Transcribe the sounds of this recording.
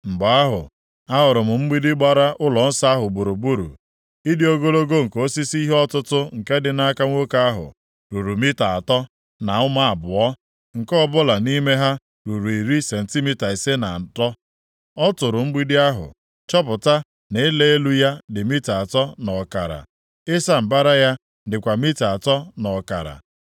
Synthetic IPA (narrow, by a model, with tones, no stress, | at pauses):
ŋ͡m̩˨ɡ͡ba˨˦a˦ɦʊ̰˨ | a˦ɦʊ˨ɾʊ˨mʊ˨m̩˦ɡ͡bi˦dɪ˦ɡ͡ba˦ɾa˦ʔʊ˦lɔ˨n̩˦sa˦a˦ɦʊ˨ɡ͡bu˨ɾu˨bu˦ɾṵ˨ | i˦di˦o˦ɡo˦lo˦ɡo˦ŋ̩˨ko˦si˦si˦ɦe˦ɔ˦tʊ˦tʊ˦ŋ̩˨ke˦dɪ˨na˦ka˦ŋʷo˦ka˦a˦ɦʊ̰˨ | ɾu˨ɾu˨mi˦ta˨a˨tɔ˦ | na˨ʊ˦ma˦a˨bʊ˨ɔ˦ | ŋ̩˨kɔ˦bʊ˦la˨ni˦me˦ɦa˦ | ɾu˨ɾu˨i˨ɾi˦se˨n̩˨ti˦mi˦ta˨i˨se˦na̰˨tɔ˦ | ɔ˦tʊ˨ɾʊ˨m̩˦ɡ͡bi˦dɪ˦a˦ɦʊ̰˨ | t͡ʃɔ˦p̬ʊ˨ta˦ | ne˨˦le˦e˦lu˦ja˦dɪ˨mi˦ta˨tɔ˦nɔ˨ka̰˨ɾa̰˨ | ɪ˦sa˦m̩˨ba˦ɾa˦ja˦ | dɪ˨kʷa˨mi˦ta˨tɔ˦nɔ˨ka̰˨ɾa̰˨